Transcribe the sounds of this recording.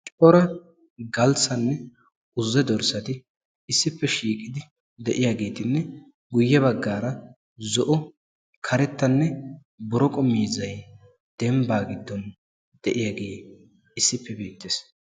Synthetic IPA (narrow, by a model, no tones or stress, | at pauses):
t͡ʃʼɔɾɐ | ɡɐlsɐnːɛ | ʊzːɛd̪ɔɾsɐt̪ɪ | ɪsːɪpːɛʃiːkʼɪd̪ɪ | d̪ɛʔɪjaːɡe̞ːt̪ɪnːɛ | ɡʊjːɛbɐɡːaːɾɐ | zɔʔɔ | kʰɐɾɛt̪ːɐnːɛ | bɔɾɔkʼɔmːiːzɐj | d̪̥ɛmbaːɡɪd̪ːɔn | d̪̥ɛʔɪjaːɡeː | ɪsːɪpːɛbiːt̪ːes